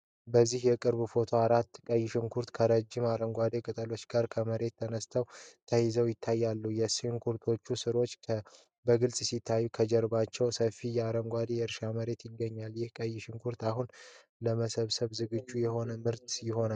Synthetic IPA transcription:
bəzːihjɛkʼɨɾβufo̞t̪ʰo̞aɾat̪ːkʼəjːɪʃɪŋkʰuɾt̪kʰəɾəd͡ʒːɪmaɾəŋɡʷad̪ekʼɨt̪ʼəlo̞t͡ʃːɡaɾkʰəməɾe̞t̪ʰːənəst̪ʰəwt̪ʰəjɪzəwjɪt̪ʰːajːalːujɛsŋkʰuɾt̪ʰo̞t͡ʃːusɨɾo̞t͡ʃːʰ | bəɡɨlsʼsit̪ʰːajːukʰəd͡ʒɛɾbat͡ʃːɛwsəfijɛaɾəŋɡʷad̪ejɛɨɾʃaməɾe̞t̪jɪɡːəɲːaljɪhkʼəjːɪʃɪŋkʰuɾt̪aɦun | ləməsəβsəβzɨɡɨd͡ʒːujɛho̞nəmɨɾt̪jɪho̞na

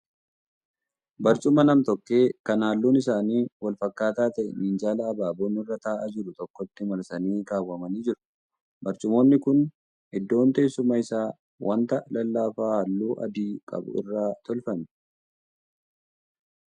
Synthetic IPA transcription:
bɐɾt͡ʃʼʊmɐnɐmt̪ɔkːe̞ːkɐnaːlːuːnɪsaːniːwɐlfɐkːaːt̪aːt̪ɐʔnʔiːnd͡ʒaːlɐːbaːboːnɪrːɐt̪aːʔɐd͡ʒɪɾʊt̪ɔkːɔt̪ːɪmɐɾsɐniːkaːwːɐmɐniːd͡ʒɪɾʊ̥ | bɐɾt͡ʃʼʊmo̞ːnːɪkʊn | ɪd̪ːo̞ːnt̪eːsʊmɐɪsaː | wʔɐnt̪ɐlɐlːaːfaːhaːlːuːʔɐ̰d̪iːkʼɐ̰bʊ̰ɪ̰rːaːt̪ɔlfɐmɛ

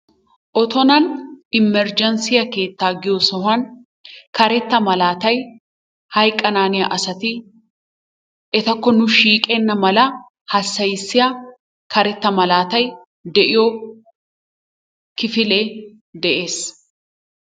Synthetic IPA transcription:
ʔɔt̪ɔnɐnɪmːɛɾd͡ʒɐnsɪjɐke̞ːt̪ːaːɡɪjoːsɔhɐn | kɐɾɛt̪ːɐmɐlaːt̪ɐj | hɐjkʼɐnaːnɪjɐʔɐsɐt̪i | ʔɛt̪ɐkːɔnʊʃiːkʼɛnːɐmɐlɐ | hɐsːɐjɪsːɪjɐ | kɐɾɛt̪ːɐmɐlaːt̪ɐj | d̪ɛʔɪjo | kɪfɪleː | d̪ɛʔeːs

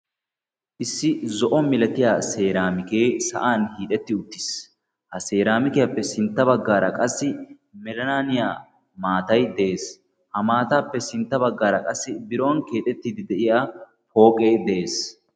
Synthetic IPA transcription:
ʔɪsːɪzɔʔɔmɪlɐt̪ɪjaːse̞ːɾaːmɪke̞ːsɐ̰ʔaːnhiːᶑ̪ɛt̪ːɪʊt̪ːɪ̥s | hɐseːɾaːmɪkɛjɐpːɛsɪnt̪ːɐbɐɡːaːɾɐ̰kʼɐsːɪ | mɛlɐnaːnɪjaː | maːt̪ɐjd̪ɛeːs | hɐmaːt̪aːpːɛsɪnt̪ːɐbɐɡːaːɾɐkʼɐsːɪbɪɾo̞ːnke̞ːt̪ʼɛt̪ːiːd̪ɪd̪ɛʔɪjaː | po̞ːkʼejd̪ɛʔeːs

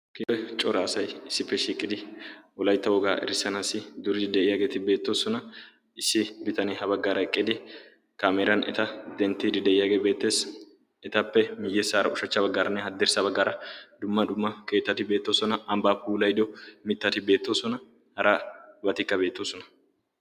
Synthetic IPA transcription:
kiɛt͡ʃʼɔɾaːsɐjɪsːɪpːɛʃiːkʼːɪd̪ɪɔlɐjt̪ːɐwɔɡaːʔɛ̰ɾɪsːɐnaːsɪd̪ʊɾɪɪd̪ɛʔɪjaːɡe̞ːt̪ɪbe̞ːt̪ːo̞ːsɔnɐ | ɪsːɪbɪt̪ɐnɛɦɐbɐɡːaːɾɐɛkʼːɪd̪ɪ | kaːmeːɾɐnɛ̰t̪ɐd̪ɛnt̪ːid̪ɪd̪ɛʔɪjaːɡe̞ːbe̞ːt̪ːe̞ːs | ɛt̪ɐpːɛmɪjːɛsaːɾɐ̰ʊʃɐt͡ʃːɐbɐɡːaːɾɐnːɛhɐd̪ːɛɾsɐbɐɡːaːɾɐd̪ʊmːɐd̪ʊmːɐke̞ːt̪ːɐt̪ɪbe̞ːt̪ːo̞ːsɔnɐʔɐmbaːpuːlɐjd̪ɔmɪt̪ːɐt̪ɪbe̞ːt̪ːo̞ːsɔnɐ | hɐɾʔabɐt̪ɪkːɐbe̞ːt̪ːoːsɔnɐ̥

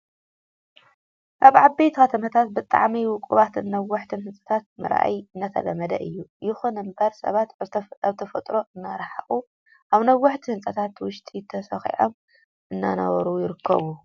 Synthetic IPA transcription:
ʔaβʕabbejt̪kɐt̪ʰɐmɐt̪ʰat̪̚bɨt̪ʼa̰ʕmiwʊkʼuβat̪ʰɨnːɐwːʊħt̪ʰɨnhɨnt͡sʼɐ̥t̪ʰat̪̚mɨ̰ɾa̰ʔjɨnːat̪ʰɐ̰lɐmɐd̪ɐʔɨjːujɪxunɨmbɐɾsɐ̰βat̪aβt̪ʰɐfɐt̪ʼɾo̞ʔɨnːaɾaħa̰χʼu | ʔaβnɐwːʊħt̪ʰihɨnsʼɐt̪ʰat̪wʊʃt̪ʼit̪ʰɐsɐxḭʕo̰m | ʔɨnːa̰nɐ̰βɐɾujɪɾɨkʰːɐ̰βu

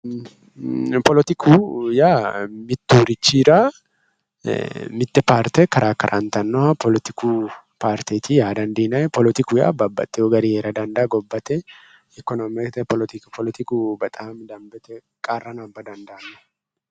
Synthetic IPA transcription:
pɔlɔt̪ɪkʰujaːmɪt̪ːuːɾɪt͡ʃːiːɾa | mɪt̪ːɛpaːɾt̪ɛkɐɾʔaːkɐɾʔant̪ɐnːɔhɐpɔlɔt̪ɪku | paːɾt̪eːt̪ijaːd̪ɐnd̪eːnɐɛpɔlɔt̪ɪkʊja̰ːbabːɐ̰t̪ʼːɛɔɡɐɾiheːɾɐd̪ɐnd̪ɐːɡɔbːɐt̪ɛ | ɛkːɔnɔmɛt̪ɛpɔlɔt̪ɪkpʰɔlɔt̪ɪkubɐt̪ʼamd̪ɐmbɛt̪ɛ | kʼaːrːɐnɐbːɐd̪ɐnd̪ɐʔɐnːɔ

